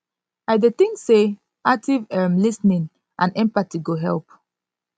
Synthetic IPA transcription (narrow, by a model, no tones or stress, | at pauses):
aɪdet̪ĩŋkse | ak̚tivɛmlisnĩn | ʔãnɛ̃mpatiɡoɦɛlp